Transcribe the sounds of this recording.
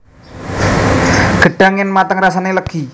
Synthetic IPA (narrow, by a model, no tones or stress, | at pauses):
ɡ̥ə̤ɖ̥a̤ŋɪnmat̪əŋrasaneləɡ̥i